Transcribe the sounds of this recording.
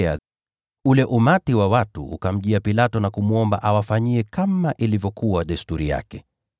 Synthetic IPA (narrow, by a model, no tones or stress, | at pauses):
a | ulɛʔumatiwawatṵṵkam̩ʄiapilatɔnakumuɔmba̰ʔawafaɲiɛkamaʔilivjɔkuwaɗɛstuɾija̰kɛ